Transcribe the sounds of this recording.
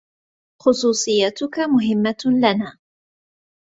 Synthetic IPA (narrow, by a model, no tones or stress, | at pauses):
xʊsˤuːsˤɨjːat̪ʊkamʊɦɪmːalanaː